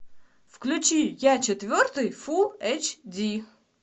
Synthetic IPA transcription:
fklʲʊt͡ɕijat͡ɕɪt̪vʲort̪ɨjfuɛt͡ɕdʲi

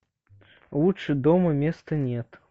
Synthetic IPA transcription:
lˠut͡ʂɨd̪ɔmɐmʲest̪ɐnʲɛt̪

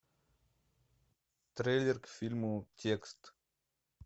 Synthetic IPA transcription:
t̪ɾʲelʲɪrkfʲilʲmʊtʲekst̪

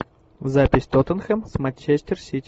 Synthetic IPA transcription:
vzapʲɪsʲt̪ot̪ənxəmsmɐnʲt͡ʃesʲt̪ʲɪrsʲit̪ʲ

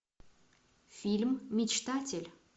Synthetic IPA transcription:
fʲilʲmːʲɪt͡ɕt̪atʲɪlʲ

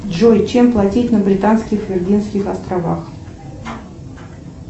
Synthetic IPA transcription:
dʐojt͡ɕemplˠɐtʲitʲnəbɾʲɪt̪anskʲɪxvʲɪrlʲinskʲɪxɐst̪ɾɐva̰x

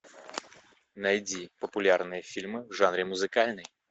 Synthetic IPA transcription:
nɐjdʲipəpʊlʲarnɨjəfʲilʲmɨvʐanɾʲɪmʊzɨkalʲnɨj

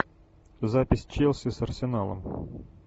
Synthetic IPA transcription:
zapʲɪsʲt͡ɕelˠsʲɪsɐrsʲɪnalˠə̰m

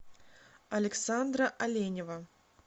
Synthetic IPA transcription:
ɐlʲɛksand̪ɾɐʔɐlʲenʲɛvɐ

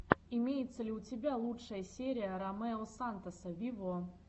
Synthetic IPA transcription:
ɪmʲejɪt̪səlʲɪʊtʲɪbʲalˠuʂəjəsʲeɾʲɪjəɾɐmɛosant̪əsəvʲivo

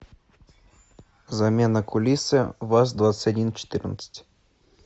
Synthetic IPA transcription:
zɐmʲenɐkʊlʲisɨvasd̪vat̪sə̥tʲɐdʲint͡ʃɪ̥t̪ɨrnə̰t̪sə̥tʲ

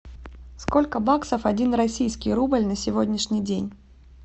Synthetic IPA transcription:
sko̞lʲkəbaksəfɐdʲinrɐsʲijskʲɪjɾubəlʲnəsʲɪvodʲnʲɪʂnʲɪijdʲenʲ

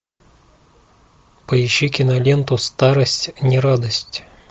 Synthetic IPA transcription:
pəjɪɕːikʲɪnɐlʲent̪ʊst̪aɾəsʲtʲnʲɪɾad̪əsʲtʲ

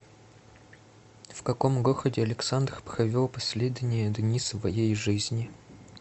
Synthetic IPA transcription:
fkɐkomɡoxədʲɪɐlʲɪksand̪rpɾɐvʲolˠpɐsʲlʲed̪ʲɪnʲɪjəd̪nʲisvɐjejʐɨzʲnʲɪ

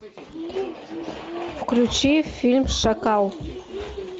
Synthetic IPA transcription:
fklʲut͡ʃifʲilʲmʃakɑw

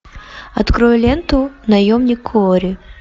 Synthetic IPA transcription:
ɐt̪kɾɔjɛlʲɛnt̪ʊnɐjɔmnʲikʰːɔɾʲɪ

